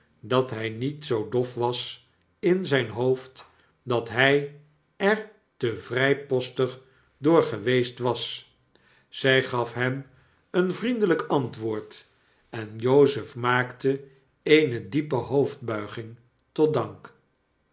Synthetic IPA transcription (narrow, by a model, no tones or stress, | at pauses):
dɑtɦɛjnitsowdɔfʋɑs | ɪnzɛjnɦowft | dɑtɦɛj | ɛɹ | təvrɛjpɔstəχ | dʊːɹχəʋejstʋɑs | z̥ɛjχɑfɦɛm | ənvrindələkɑntʋʊːɹt | ɛnjowzəfmaːktə | ejnədipəɦowvd̚bœɥχɪŋ | tɔt̚dɑŋk